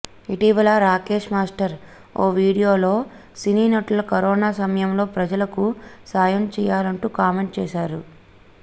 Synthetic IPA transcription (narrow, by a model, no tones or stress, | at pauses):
iʈiːʋɐlaɾaːke̞ːʂmaːsʈɐɾ | oːʋiːɽijo̞ːlo̞ː | siniːnɐʈɐlɐkɐɾɔːnaːsɐmɐjɐmlo̞ːpɾɐd͡ʒɐlɐkusaːjɐmt͡ʃɛːjaːlɐɳʈuːkaːmeɳʈ̚t͡ʃɛːʃaːɾu